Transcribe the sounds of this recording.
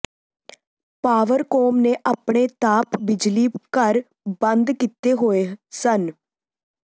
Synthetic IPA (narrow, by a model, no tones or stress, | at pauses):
paːʋəɾkoːmneːʔaːpɳeːt̪aːpbɪd͡ʒliːkəɾ | bənd̪kit̪eːɦoːeːsən